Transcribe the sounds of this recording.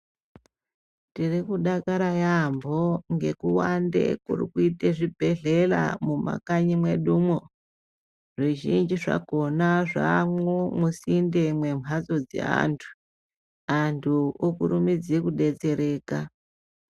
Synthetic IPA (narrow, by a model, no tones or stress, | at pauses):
tirikuɗakaɾajambo̞ŋɡe̞kuwandḛkṵrḭkuiteʐibʱe̞ɮe̞la̰muma̰kaɲimwe̞ɗumo | ʐiʒind͡ʒiʐa̰ko̞naʐamwomusinde̞mwe̞mʱat͡so̞d͡zḛa̰ntʰu̥ | antʰuokurumid͡zekuɗe̞t͡se̞ɾe̞ːka